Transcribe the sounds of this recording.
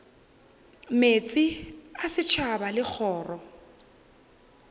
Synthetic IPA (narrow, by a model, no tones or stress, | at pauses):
met͡sʼɪasɪt͡ʃʰabalɪk͡xʰɔːrɔ